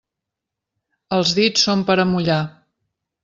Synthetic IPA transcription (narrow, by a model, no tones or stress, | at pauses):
əlˠzðit͡ssːompəɾəmuʎa